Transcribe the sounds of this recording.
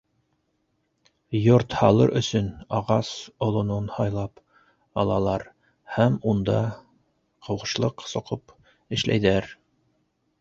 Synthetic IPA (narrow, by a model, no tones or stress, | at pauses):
joɾt̪hɑlˠɤ̰ɾʔɵ̰̆sɵnɑʁɑsŏlˠŏnonhɑjlˠɑp | ɑlˠɑ̰lˠɑɾ | hæmund̪ɑ | qŏwʁɤ̆ʃlˠɤqsŏqɤp | ɘ̆ʃlʔæ̰jðæɾ